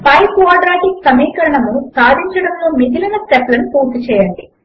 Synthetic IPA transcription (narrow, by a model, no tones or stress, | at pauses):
pɐjpʋaːɾɖɾaːʈiksɐmiːkɐɾɐɳɐmusaːd̪ʱiɲt͡ʃɐɽɐmlo̞ːmid̪ilɐnɐsʈeplɐnupuːɾt̪ut͡ʃɛːjɐɳɖi